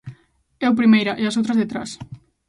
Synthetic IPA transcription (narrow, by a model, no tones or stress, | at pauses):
ɛupɾimejɾaʔeasowt̪ɾazðet̪ɾa̰s